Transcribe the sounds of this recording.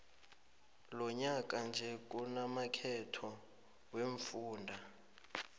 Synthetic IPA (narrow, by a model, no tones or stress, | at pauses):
lɔɲak̬ʼand͡ʒʱɛk̬ʼunamakʰɛtʰɔ | weɱfuːndʱa